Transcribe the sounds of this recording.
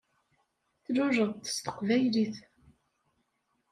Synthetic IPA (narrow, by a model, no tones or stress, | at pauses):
θlʊʒəðˤt̪ə̥st̪ə̥qvæjliθ